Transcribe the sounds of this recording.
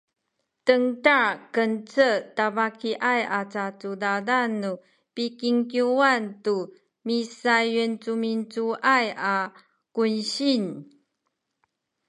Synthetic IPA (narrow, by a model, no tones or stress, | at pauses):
təŋtaɹkənt͡sətavakiʔajat͡sat͡sudadanːu | pikiŋkjuantu | misajənt͡sumint͡suʔaja | kunɕin